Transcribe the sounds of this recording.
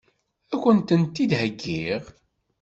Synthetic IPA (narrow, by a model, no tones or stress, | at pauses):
ækʷːənt̪ənt̪ːid̪həɡːiʁ